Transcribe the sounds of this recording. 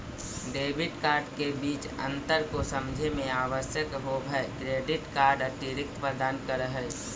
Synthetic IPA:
ɖeːbɪʈkaːɾɖkebiːt͡ʃə̰̃nt̪əɾkosəmd͡ʒʱemẽaːʋəsjəkɦobʱəkɾeːɖɪʈkaːɾɖət̪iɾɪk̚t̪pɾəd̪aːnkəɾəɦɛ

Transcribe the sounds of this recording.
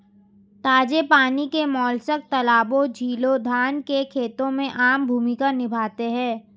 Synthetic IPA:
t̪aːd͡ʒepaːnikemɔːlsək̚t̪ɐlaːbõd͡ʒʱiːlod̪ʱaːnkekʰeːt̪õmẽʔaːmbʱuːmikanɪbʱaːt̪eɦɛ̃ː

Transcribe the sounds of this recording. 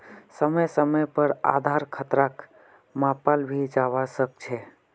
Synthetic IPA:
səməjsəməjpəɾa̰d̪ʱaɾkʰət̪ɾak | mãpalbʱid͡ʒaʋasək̚t͡ʃʰɛ

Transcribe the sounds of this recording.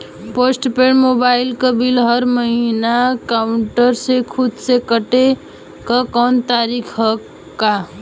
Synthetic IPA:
posʈpeɽmobailkəbilɦəɾməɦinakaʊɳʈəɾsẽkʰud̪sekəʈe | kəkɔnt̪aɾikʰɦə | ka

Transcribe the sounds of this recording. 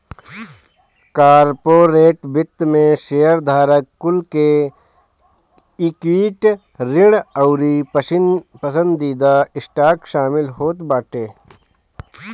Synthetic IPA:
kaːɾpoːɾeːʈbɪt̪ːmẽʃejəɾd̪ʱaːɾəkːʊlke | ɪkwiːʈ | ɾɪɽəʊɾipəsɪpəsə̃nd̪ːiːd̪aɪsʈaːkʃaːmɪlɦoːt̪baːʈeː

